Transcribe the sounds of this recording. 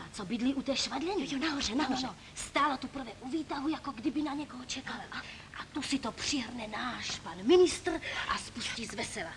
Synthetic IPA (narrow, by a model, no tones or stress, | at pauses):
at͡sobɪd̪liːʔut̪ɛːʃvadlɛɲɛonaɦorɛnaɦ | st̪aːlat̪upr̩vɛʔuviːt̪aɦujakoɡdɪbinaɲɛkoɦɔt͡ʃɛkal | ʔat̪usɪt̪opr̥ɪɦrnɛnaːʃpanmɪnɪst̪r̩ʔaspusciːzvɛsɛla